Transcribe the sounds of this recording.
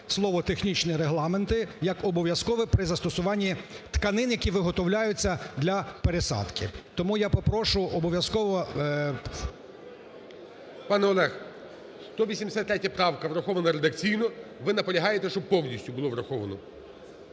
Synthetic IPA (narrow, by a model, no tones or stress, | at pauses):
slˠɔʋɔt̪exnʲit͡ʃnɪɾeɦlˠɑment̪ɪjɐkɔbɔʋʲjɐskɔʋɪpɾɪzɐst̪ɔsʊʋɑnʲːit̪kɐnɪnjɐkʲiʋɪɦɔt̪ɔwlʲajʊt͡sʲːɐd̪lʲɐpeɾesɑ̰d̪kɪ̰t̪ɔmujapɔpɾɔʃʊʔɔbɔʋʲjɐskɔʋɔ | pɑnɛɔlˠɛx | st̪ɔʋʲisʲimd̪esʲat̪ːɾʲɛtʲːɐpɾɑwkɐʋɾɐxɔʋɐnɐɾed̪ɐkt͡sʲijnɔʋɪnɐpɔlʲɐɦɑjet̪ɛʃt͡ʃɔb̚pɔwnʲisʲtʲʊbʊlˠɔʋɾɐxɔʋɐnɔ̰